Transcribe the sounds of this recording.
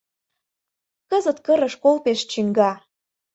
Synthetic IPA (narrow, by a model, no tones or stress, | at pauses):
kəzə̆t̪kə̆ɾə̆ʃkolpeʃt͡ɕiŋɡɑ